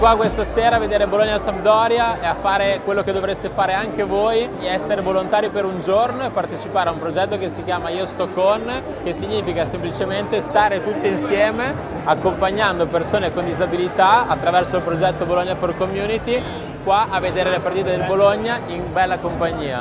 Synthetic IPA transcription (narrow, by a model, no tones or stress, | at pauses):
kwakwest̪aseːɾaːved̪eːɾeiboloɲːasabd̪ɔɾjaeafːaːɾekwelːoked̪ːovɾest̪efaːɾeaŋk̟evojeɛsːeɾevolont̪aːɾipeɾund͡ʒornoepːart̪et͡ʃipaːɾeaumpɾod͡ʒɛt̪ːokesːikjaːmaiːost̪okːɔn | k̟esːiɲːiːfikasemplit͡ʃement̪est̪aːɾet̪ut̪ːiinsjɛːme | akːompaɲːand̪opersoːnekond̪izabilit̪aat̪ːɾavɛrsoilpɾod͡ʒɛt̪ːoboloɲːaforkomjuːnit̪i | kwaʔavːed̪eːɾelepart̪iːt̪ed̪elboloɲːainbɛlːakompaɲːiːa̰